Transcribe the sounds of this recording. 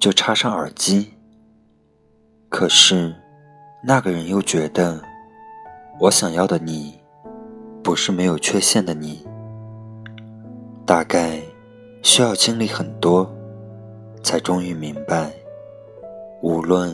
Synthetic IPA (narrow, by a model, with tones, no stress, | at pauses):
t͡ɕjo˥˩ʊʈ͡ʂʰa˥ʂɑ˥˩ŋə̰˞˨˩t͡ɕi˥ | kʰɤ˨˩ʂɻ̩˥˩ | na˥˩ɡə˩ɻə˧˥njo˥˩ʊt͡ɕɥɛ˧˥d̪ə˧ | wɔ˧˥ɕjɑ˨˩ŋjɑ˥˩ʊd̪ə˩ni˨˩˦ | pu˧˥ʂɻ̩˥˩me˧˥ɪjo˨˩ʊt͡ɕʰɥɛ˥˧ɕjɛ˥˩nd̪ə˩ni˨˩˦ | t̪a˥˧ka˥˩ɪ | ɕy˥jɑ˥˩ʊt͡ɕʰi˥ŋli˧˥xə˨˩nt̪wɔ˥ | t͡sʰa˧˥ɪʈ͡ʂʊ˥ŋy˧˥mi˧˥ŋpa˥˧ɪ | u˧˥lwə˥˩n